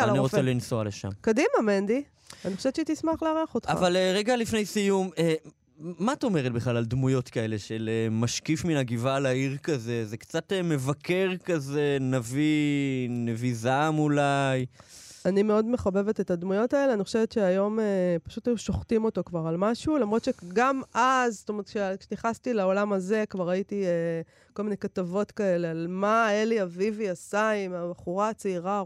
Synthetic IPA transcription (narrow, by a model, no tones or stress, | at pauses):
aaniʁoelinsoaleʃa̰mkodimamend̪i | aniχoʃeett͡ʃet̪ismaχleaʁeaχot̪χaavalʁeɡalifnejsijume | matomeʁet̚biχlalaldmujo̞tkae̞le̞ʃelemaʃkifminaɡivaːlaiʁkaze̞zekt͡satme̞vakʰeʁkaze̞navi | nevizamulajanime̞o̞dme̞χabe̞vete̞tadmujo̞taeleaniχoʃevet̪ʃe̞ajo̞mepaʃutajuʃo̞χtimo̞to̞kvaʁalmaʃulamʁo̞t̪ʃeɡamʔazst̪omeʁet̪kʃekʃeniχastilao̞lamaze̞kvaʁaitie | kolminejkatavo̞tkae̞le̞almaeliaviviasaimabaχuʁat͡seiʁa